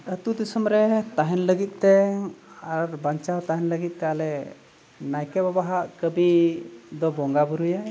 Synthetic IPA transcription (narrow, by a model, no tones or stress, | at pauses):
ət̪ud̪isəmɾɛt̪aɦɛnləɡit̪̚ˀt̪ɛ | aɾbaɲt͡ʃat̪aɦɛnləɡit̪̚ˀt̪ɛalɛ | najkɛbabaɦaʔkəbid̪ɔbɔŋɡabuɾuja